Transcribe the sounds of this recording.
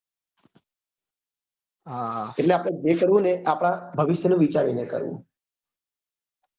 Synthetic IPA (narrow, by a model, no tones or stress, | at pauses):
aeʈleapɽ̃ed͡ʒekəɾʋũneʔapɽ̃abʱəʋɪʃjənũʋit͡ʃaɾinekə̰ɾʋṵ̃